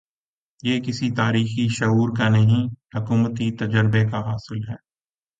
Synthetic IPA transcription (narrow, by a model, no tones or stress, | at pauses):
jeːkɪsit̪aːɾiːxiʃɐuːɾkanɐɦĩhʊkuːmət̪it̪ɐd͡ʒəɾbekaɦaːsɪlɦɛː